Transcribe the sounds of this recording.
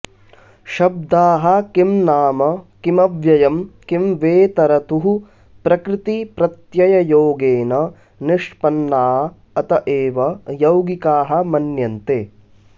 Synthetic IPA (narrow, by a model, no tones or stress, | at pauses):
ʃɐb̚d̪aːɦɐ̆kimnaːmɐkimɐʋjɐjɐmkimʋeːt̪ɐɾɐt̪uɦu | pɾɐkɾɪt̪ipɾɐt̪jɐjɐjoːɡeːnɐ | niʂpɐnːaːɦɐ | ɐt̪ɐʔeːʋɐjɐwɡikaːɦɐ̆mɐnjɐnt̪eː